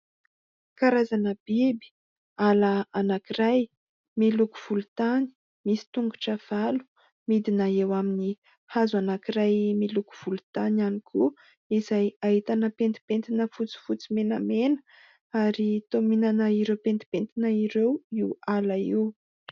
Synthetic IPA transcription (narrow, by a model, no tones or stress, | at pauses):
kaɾazanəb̥ibi̥ | alaanakiɾaj | milukuv̥ulut̪ani̥ | misi̥t̪uŋɡuʈ͡ʂav̥alu̥ | mid̪inaewamini | hazuanakiɾajmiluku̥v̥ulut̪ananikʰu | izajaɦit̪anəpent̪i̥pent̪inəfut͡si̥fut͡simenamenə̥ | aɾit̪ominanəiɾewpent̪i̥pent̪inəiɾewiwalaiw